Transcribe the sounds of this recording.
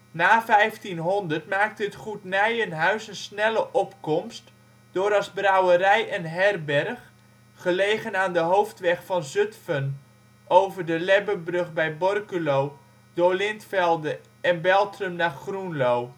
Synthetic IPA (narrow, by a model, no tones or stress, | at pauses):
naːfɛjftinɦɔndərtmaːk̚təətχutnɛjənɦœɥsənsnɛləʔɔpkɔmst | d̥ʊːɾɑzbrawərɛjɛnɦɛrbɛrχ | χəlejχənaːndəɦowftʋɛχfɑnzɵtfən | ʔowvərdəlɛbəbrɵχbɛjbɔrkylow | doːɹlɪntfɛlˠdə | ɛnbɛlˠtrəmnaːχrunlow